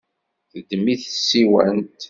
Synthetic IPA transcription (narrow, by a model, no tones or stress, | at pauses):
θəd̪ːmiθsːiwæ̰nt̪